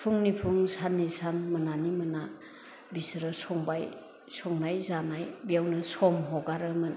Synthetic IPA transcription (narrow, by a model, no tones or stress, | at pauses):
pʰuŋnipʰuŋsanːisanmɐnanimɐna | bisɾɯsɔŋbaj | sɔŋnajzanajbijawnɯsɔmɦɔɡaɾɯmɯn